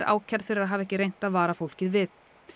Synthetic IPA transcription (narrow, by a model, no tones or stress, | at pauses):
ɾʔa̰ːwcʰɛɾðfɪɾɪɾaðɦaːvɛhcɪrejn̥t̪aðvaːɾafowl̥cɪðvɪð